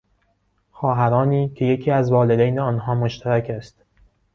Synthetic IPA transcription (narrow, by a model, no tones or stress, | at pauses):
xɒːɦæɾɒːniːcʰe̞je̞cʰiːæzvɒːled̪ejneɒːnɦɒːmoʃt̪ʰæɾækʰæst̪